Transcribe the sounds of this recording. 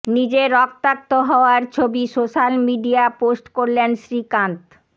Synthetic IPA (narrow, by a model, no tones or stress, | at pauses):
nid͡ʑeɾɔk̚t̪ak̚t̪oɦɔoaɾt͡ɕʰobisoʃalmiɖiaposʈkoɾlenʃɾikant̪